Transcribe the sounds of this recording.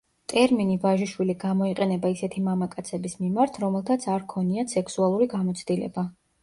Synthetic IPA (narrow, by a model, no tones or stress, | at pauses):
t̪ʼɛɾminivaʒiʃwiliɡamɔiqʼɛnɛbaisɛt̪ʰimamakʼat̪sʰɛbismimaɾt̪ʰɾɔmɛlˠt̪ʰat̪sʰaɾkʰɔniasɛkʰsualˠuɾiɡamɔt̪sʰd̪ilɛ̰ba